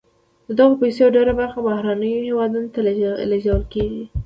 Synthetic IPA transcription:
d̪̥əd̪aɣopajseoɖeɾabaɾxabahɾanəjohewɑd̪unot̪al̰leʒawəlkeɡi

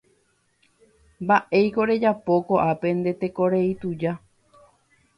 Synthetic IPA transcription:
mbaʔe̞jko̞ɾe̞d͡ʒapo̞ko̞ʔape̞nd̪e̞t̪e̞ko̞ɾeit̪ud͡ʒa

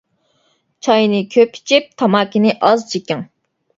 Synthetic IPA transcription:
t͡ʃʰɑjnɪkʲʰøpʰi̥t͡ʃʰip̚t̪ʰɑmɑːkʲinɪʔɑzt͡ʃʰikʲɪŋ

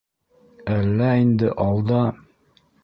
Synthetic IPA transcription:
ælːæind̪ɘʔɑlˠd̪ɑ

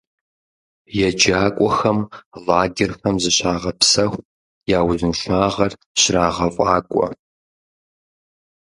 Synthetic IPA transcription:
jɛd͡ʒaːkʷʼɔxɐmlaːɡʲɪrxɐmzɨɕaːʁɐpsɐxʷ | jaːwzɨnʃʷaːʁɐr | ɕraːʁɐfʼaːkʷʼɔ̰

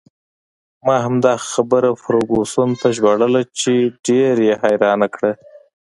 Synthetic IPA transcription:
mɑɦamd̪ɑxabəɾafaɾoɡosunt̪aʒwaɽəlat͡ʃeɖeɾjehajɾɑnakɽa

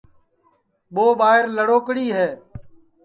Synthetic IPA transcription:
ɓoːɓaːɦɪɾləɽoːkɽiːɦɛː

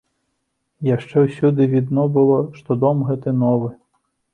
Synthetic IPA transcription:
jɐʃt͡ʃɛwsʲud̪ɪʋʲid̪nɔbʊlˠɔʃt̪ɔd̪ɔmɦɛt̪ɛnɔʋɪ

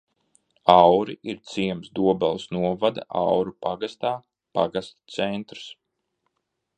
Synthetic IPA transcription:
ɑwɾiʔiɾt̪siɛmsd̪uɔbɛlˠsnuɔvad̪a̰ʔawɾupaɡast̪aː | paɡast̪t̪sɛnt̪ɾs

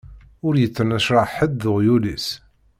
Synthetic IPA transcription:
ʊɾjət͡sːənəʃɾˤɑħəd̪ːʊʁjulis

